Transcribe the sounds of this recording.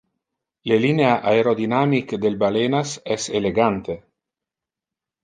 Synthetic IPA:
lelineaʔaeɾod̪inamikd̪elbalenasɛseleɡant̪e

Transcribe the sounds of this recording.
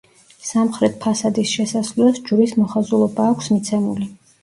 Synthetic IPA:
samχɾɛt̪̚ʰpʰasad̪isʃɛsasllɛsd͡ʒuɾismɔχazulˠɔbaːkʷʰsmit̪sʰɛmuli

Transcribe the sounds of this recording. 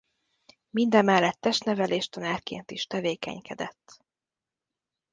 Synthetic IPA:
mind̪ɛmːɛlːɛt̪ːɛʃt̪nɛvɛleːʃt̪ønærkḛːnt̪iʃt̪ɛveːkɛ̰ɲkʰɛd̪ɛt̪ː

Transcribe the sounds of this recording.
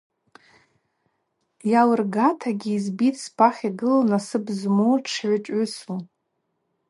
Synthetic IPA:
jawɨrɡatʰaɡʲiːzbitʰʼspʰaχʲiɡɨlanasɨbzmoʈ͡ʂʰʕʷat͡ʃʼʏsu

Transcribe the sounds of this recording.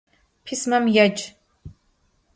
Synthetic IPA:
pʰismɐmjɐd͡ʒ

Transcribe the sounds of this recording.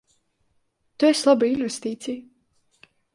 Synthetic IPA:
t̪ueslˠabɨinvest̪iːt̪sij

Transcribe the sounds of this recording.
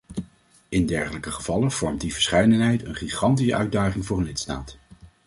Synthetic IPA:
ɪndɛɹχələkəχəv̥ɑlənv̥ɔɹmtdivəɹsχɛjdənɦɛjtənχiχɑntisə̰ʔœɥdaːχɪŋvʊːrənlɪtsta̰ːt

